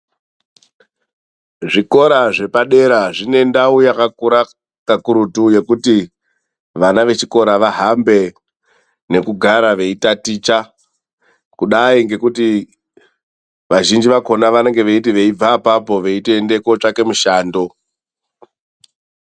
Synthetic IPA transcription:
ʐiko̞ɾaʐe̞paɗe̞ɾaʐine̞ndaujakakuɾa | kakuɾutuje̞kuti | ʋanaʋe̞t͡ʃiko̞ɾaʋaɦambe̞ | ne̞kuɡʱaɾaʋe̞itatit͡ʃa | kuɗaiŋɡe̞kuti | ʋaʒind͡ʒiʋako̞naʋane̞ŋɡe̞ʋeitiʋe̞ib͡vapapo̞ʋe̞iteːnde̞ko̞t͡ʂake̞muʃaːndo̞

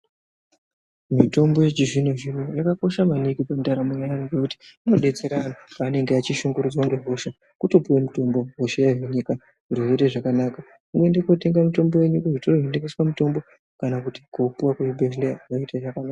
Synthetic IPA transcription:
mito̞mbo̞jet͡ʃiʐinoʐirojakako̞ʃamanikipamdaɾamuɲajanoɡekuti̥ino̞ɗe̞t͡se̞ɾanopaːne̞ŋɡeat͡ʃiʃuŋɡuɾud͡zonɡoɦoʃa | kuto̞puwemuto̞mbo̞ɦoʃejaʐweɲika | uriʐeteʐakanaːka | umɡuendekote̞ŋɡamito̞mbo̞je̞ɲukuʐitooɦendekeswamuto̞mbo̞ | kanakuti̥kopuwakweibeʒleraiteʐakanaːka

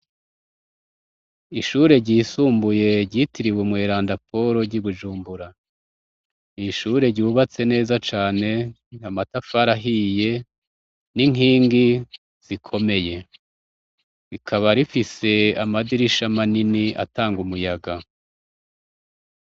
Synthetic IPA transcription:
iʃuɾe̞ɾɟiːsuːmbuje̞ɟitiɾiwumŋweːɾaːndapʰo̞ɾo̞ɾɟiβuʒuːmbuɾa | iʃuɾe̞ɾɟuβat͡se̞ne̞ːzat͡ʃaːne̞ | amatafaɾaɦije̞ | niŋɦiːŋɡi | z̥ikʰo̞me̞je̞ | ɾikʰaβaɾifise̞amadiɾiʃamaniniʔa̰taːŋɡumujaɡa

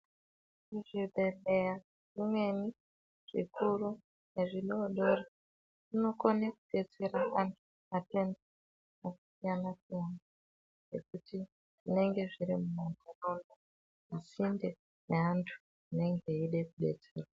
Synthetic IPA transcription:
uʐiɓe̞le̞ja | ʐimwe̞ni | ʐ̥ḭkuru | ne̞ʐiɗoɗo̞ra | uno̞konakuɗe̞t͡se̞ɾaʔantʰu̥ | ate̞nda | noku̥sijanasijana | je̞kuti | ʐine̞ŋɡe̞ʐiɾimumantarola | asinde | neantʰu̥ | ine̞ŋɡe̞iɗe̞kuɗe̞̰t͡se̞̰ːra

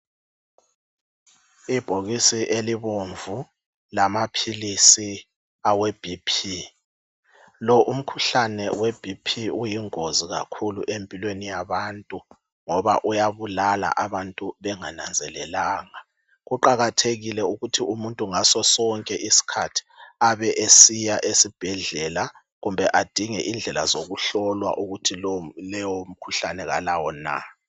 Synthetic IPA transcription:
ib̥ʱoɣisiʔeliβoɱvu | lamapʰilisi | aweb̥ʱipʰi | lɔʔum̩kʰuɬanɛweb̥ʱipʰiujiŋoziɣa̰kʰuluʔempʼilwenijaβantʼu | ŋɔβa̰ʔujaβulala̰ʔaβantʼuβɛŋana̰nd͡zʱɛlɛlaːŋa | ɣuǃaɣatʰeɣilɛuɣutʰiumuntʼuŋasɔsɔŋkʼɛʔisi̥kʰatʰi̥aβɛʔesijaʔesib̥ʱɛɮɛla | ɣumbʱɛʔad̥ʱiŋɛʔind͡ɮʱɛla̰zoɣuɬɔlwa̰ʔuɣutʰillɛwom̩kʰuɬanɛɣalawɔna̰

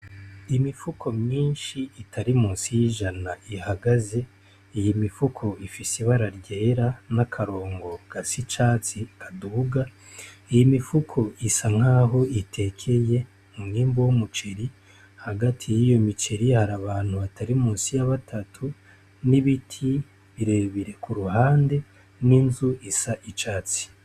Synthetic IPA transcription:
imifukʰo̞mɲiːnʃiːtʰaɾimuːnsijiʒanaihaɡaze̞ | ijimifukʰo̞ifiseβaɾaɾɟe̞ːɾanakʰaɾo̞ːŋɡo̞ɡ̥asit͡ʃaːt͡sikʰaduɡa | ijimifukʰo̞ʔisaŋ̥haːɦo̞itʰe̞kʰe̞je̞ | muniːmbowumut͡ʃe̞ɾi | haɡatʰijijo̞mit͡ʃe̞ɾihaɾaβaːn̥huβatʰaɾimuːnsijaβatʰatʰu | niβitʰi | βiɾeβiɾe̞kuɾuhaːnde̞ | ninzuʔisaʔit͡ʃaːt͡si̥

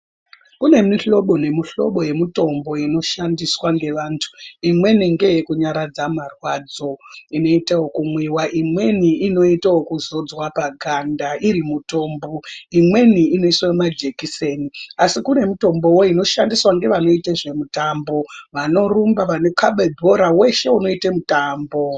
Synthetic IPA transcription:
kune̞miɬo̞ɓo̞ne̞miɬo̞̰ɓo̞je̞mito̞mbo̞ino̞ʃandiswaŋɡe̞ʋaːntʰu̥imwe̞niŋɡe̞jekuɲaɾad͡zamarwad͡zo̞ino̞itawokumwiwaʔimwe̞niino̞itawokuzo̞d͡zwapaɡʱandaʔiɾimuto̞ːmboimwe̞niːno̞iswaomad͡ʒekiseniasikune̞muto̞mbo̞wo̞ino̞ʃandiswaŋɡe̞ʋano̞itaʐe̞mutambo̞ʋano̞rumbaʋane̞kaɓebʱo̞ɾawe̞ʃe̞uno̞itemutaːmbo̞

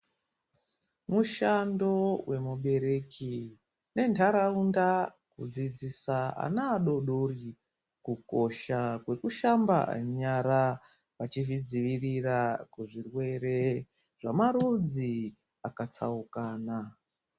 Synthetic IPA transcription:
muʃando̞wʔe̞muɓe̞ɾe̞ki | ne̞ntʰaɾaunda | kud͡zid͡zisaa̰naːɗo̞ɗori | kuko̞ʃakwe̞kuʃamba̰ɲaɾa | ʋat͡ʃivid͡ziʋirirakuʐirwe̞ɾe̞ | ʐ̥amaɾud͡zi | akat͡saukaːna

